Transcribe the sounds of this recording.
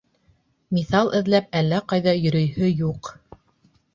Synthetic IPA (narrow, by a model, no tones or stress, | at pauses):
miθɑlˠʔɘ̆ðlæp̚ælːæqɑjðɑjɵ̆ɾɵ̆jhɵjuq